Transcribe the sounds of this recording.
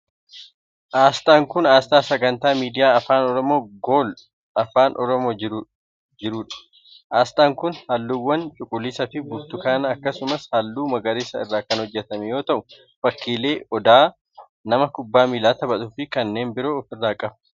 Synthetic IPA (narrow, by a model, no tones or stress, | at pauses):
ʔaːst̪ʼaːŋkʊnaːst̪aːsɐɡɐnt̪aːmiːd̪ɪjaːɐfaːnɔɾɔmo̞ːɡoːl | ɐfaːnʔɔɾɔmoː | d͡ʒɪɾuːᶑɐ̥ | ʔaːst̪aːŋkʊnhɐlːuːwːɐnt͡ʃʼʊkʼʊlːɪsɐfɪbʊbt̪ʊkaːnɐːkːɐsʊmɐshɐlːuːmɐɡɐɾeːsɐɪrːaːkɐnhɔd͡ʒːɛt̪ɐmɛjo̞ːt̪ɐʔʊ | fɐkːiːle̞ːɔd̪aː | nɐmɐkʊbːaːmiːlaːt̪ɐbɐt̪ʊfɪkɐnːe̞ːnbɪɾoːfɪrːaːkʼɐb